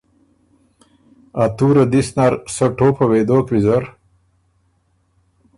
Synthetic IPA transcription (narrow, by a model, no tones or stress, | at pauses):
at̪uːɾɐd̪isnaɾsɐʈoːpɐwed̪oːkɾizɐɾ